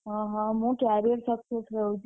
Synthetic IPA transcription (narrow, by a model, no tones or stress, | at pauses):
ɦãɦãɦũkaɾiəɾsəkseskəɦũt͡ʃʰ